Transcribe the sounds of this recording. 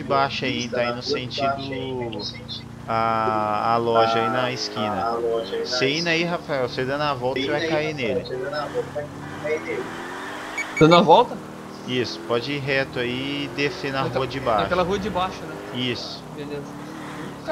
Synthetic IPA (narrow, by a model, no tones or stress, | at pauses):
ɪbaʃʊaĩt̪ainʊsẽnt͡ʃid̪ʊ | aː | lɔʒɐinɐiskĩnɐɔʒseĩnɐiɦafaɛwsed̪ɐ̃nd̪ɐvɔwt̪ɐsevajkainelɪɐɐvɔwt̪ɐvakaakainelɪ | d̪ɐ̃nd̪ʊɐvɔwt̪ɐ | isʊ̥pɔd͡ʒɪiɦɛt̪ʊaid̪efẽnɐɦuɐd͡ʒɪbaaʃkɛlɐɦuɐd͡ʒɪbaʃʊnɛ | isʊ̥belezɐ